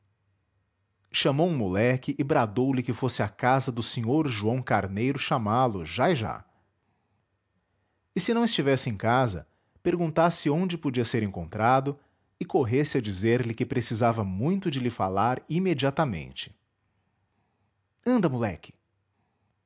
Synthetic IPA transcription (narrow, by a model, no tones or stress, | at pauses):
ʃɐmowũmulɛkɪʔɪbɾad̪owlɪkɪfosɪakazɐd̪ʊsẽɲoɾʒuɐ̃w̃kaɾnejɾʊʃamalʊʒaɪʒa̰ | ɪsɪnɐ̃w̃ɪst͡ʃivɛsɪẽkazɐ̰ | peɾɡũnt̪asɪõd͡ʒɪpod͡ʒiɐseɾẽŋkõnt̪ɾad̪ʊ | ɪkoɦesɪɐd͡ʒizeɾlɪkɪpɾesizavɐmũj̃t̪ʊd͡ʒɪlɪfalaɾimed͡ʒiat̪ɐmḛ̃nt͡ʃɪ̥ | ɐ̃nd̪ɐmulɛ̰kʰɪ̥